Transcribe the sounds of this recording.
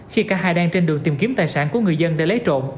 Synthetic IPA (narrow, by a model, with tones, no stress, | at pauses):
xi˧kaː˧˥haː˧jɗaː˧ŋt͡ɕe˧nɗɨ˨˩ət̪i˨˩ŋ͡mki˨˦əmt̪aː˨˩jsaː˧˩nku˧˩əŋɨ˨˩əjzə˧nɗḛ˧˥lə˨˦jt͡ɕo̰˧˨n